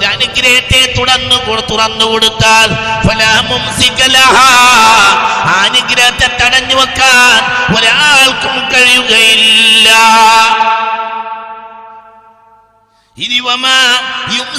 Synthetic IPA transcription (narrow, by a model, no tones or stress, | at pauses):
ɾɐnuɡɾɐjɐt̪ːet̪uɽɐnːɨkot̪ːuɽɐnːukoɽut̪ːaːlfɐlamumsikɐlɐɦa | anuɡɾɐjɐt̪ːet̪ːɐɽɐɲːuʋɐkːaːnoɾeʔaːɭkumkɐɻijuɣɐjillːɐ | iɾiʋɐmaim